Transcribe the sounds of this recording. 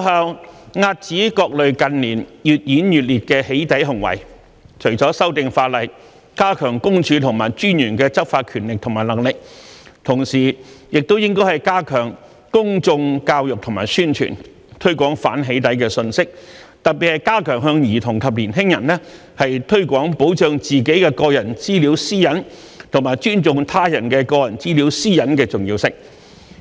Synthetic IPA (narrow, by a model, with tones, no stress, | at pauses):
ha˨wŋaː˧t̚t͡siː˨˥kɔː˧k̚lɵ˨ɥkɐ˧nliː˨˩njyː˨t̚jiː˨˥njyː˨˩t̚liː˨t̚kɛː˧he˨˥jt̪ɐ˨˥jɦɐ˨˩ŋwɐ̰˨˩j | t͡ʃʰɵ˨˩ɥt͡sɔː˨˥sɐ˥wt̪ɪ˨˧ŋfaː˧t̚lɐ˨j | kaː˥kʰœː˨˩ŋkʊ˥ŋt͡ʃʰyː˨˧t̪ʰʊ˨˩ŋmaː˨˩jt͡ʃyː˥njyː˨˩nkɛː˧t͡sɐ˥p̚faː˧t̚kʰyː˨˩nlɪ˨k̚t̪ʰʊ˨ŋmaː˨˩jlɐ˨˩ŋlɪ˨k̚t̪ʰʊ˨˩ŋsiː˨˩jɪ˨k̚t̪o˥wjɪ˥ŋkɔː˥jhɐ˨jkaː˥kʰœː˨˩ŋ | kʊ˥ŋt͡sʊ˧ŋkaː˧wjʊ˨k̚t̪ʰʊ˨˩ŋmaː˨˩jsyː˥nt͡ʃʰy̰ː˨˩n | t̪ʰɵ˥ɥkʷɔː˨˥ŋfaː˨˥nɦe˨˥jt̪ɐ˨˥jkɛː˧sɵ˧nsɪ˥k̚ | t̪ɐ˨k̚pi˨thɐ˨˧jkaː˥kʰœː˨˩ŋɦœː˧ŋjiː˨˩t̪ʰʊ˨˩ŋk̪ʰɐ˨p̚liː˨˩nɦɪ˥ŋjɐ˨˩nlɛː˥ | hɐ˨jt̪ʰɵ˥ɥkʷɔː˨˥ŋpo˨˥wt͡ʃœː˧ŋt͡siː˨˩ke˨˥jkɛː˧kɔː˧jɐ˨˩nt͡siː˥liː˨˥wsiː˥jɐ˨˥n | t̪ʰʊ˨˩ŋmaː˨˩jt͡ʃyː˥nt͡sʊ˨ŋt̪ʰaː˥jɐ˨˩nkɛː˧kɔː˧jɐ˨˩nt͡siː˥li˨˥wsiː˥jɐ˨˥nkɛː˧t͡sʊ˨ŋjiː˧wsɪ˨ŋ̚